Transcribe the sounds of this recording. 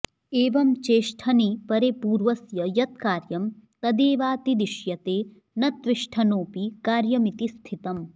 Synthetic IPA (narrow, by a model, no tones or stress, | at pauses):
eːʋɐmt͡ʃeːʃʈʰɐnipɐɾepuːɾʋɐsjɐjɐt̪̚kaːɾjɐmt̪ɐd̪eːʋaːt̪id̪iʃjɐt̪eː | nɐt̪ʋiʃʈʰɐnoːpikaːɾjɐmit̪ist̪ʰit̪ɐm